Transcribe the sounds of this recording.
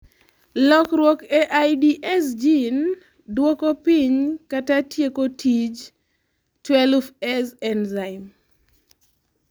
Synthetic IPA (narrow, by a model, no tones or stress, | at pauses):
lɔkɾwɔkɛʔajdiʔɛs̬d͡ʒin | dwokopiɲkatatjekotʰid͡ʒ | twɛlfɛsɛnzaɪm